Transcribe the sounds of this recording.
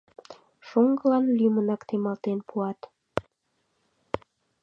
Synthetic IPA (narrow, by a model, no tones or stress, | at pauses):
ʃoŋɡəlɑnlymənɑkt̪emɑlt̪enpʰuɑt̪